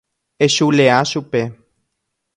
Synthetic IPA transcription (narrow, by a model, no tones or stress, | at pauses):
eʃuleaʃupe